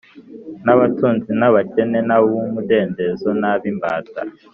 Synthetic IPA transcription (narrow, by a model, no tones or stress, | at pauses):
naβatuːnzinaβat͡ʃenenawumudeːndezonaβimba̰ta̰